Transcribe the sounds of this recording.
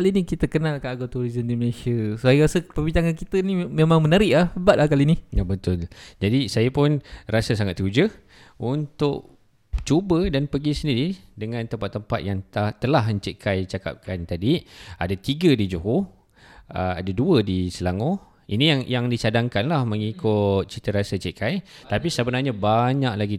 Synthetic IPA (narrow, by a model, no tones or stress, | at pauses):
kalinikit̪əkənãlkanaɡat̪uɾizəndiməlesiəsəajɾasəpəbiɲt͡ʃaŋankit̪ənimemãŋmənaɾɪʔlahəbat̪lahkalinijabət̪ʊld͡ʒadisajapʊnrasasaŋat̪ud͡ʒə | unt̪ʊʔ | t͡ʃubədanpəɡisəndiɾidəŋãnt̪əmpat̪ːəmpa̰t̪̚jaŋt̪at̪əlahməɲt͡ʃeʔkʰajt͡ʃaka̰p̚kʰant̪adiadat̪iɡədid͡ʒuɦu | əa̰daduədisəlaŋo | inijaŋjaŋdit͡ʃadaŋkanlahməŋikʊt̪̚t͡ʃit̪əɾasat͡ʃeʔkʰajt̪apisəbənarɲabaɲaʔlaɡi